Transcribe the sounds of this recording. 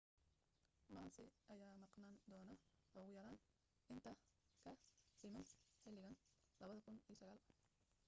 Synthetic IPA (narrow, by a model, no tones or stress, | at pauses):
maːnsɪʔɐjaːmɑqnaːnd̪ɔːnɐɔɣʊjɐɾaːn | ʔɪnt̪ʰɐkʰɐsɪmɐnħɪlɪɣɐn | lɐβɐðɐkʰʊniːsɐɣaːl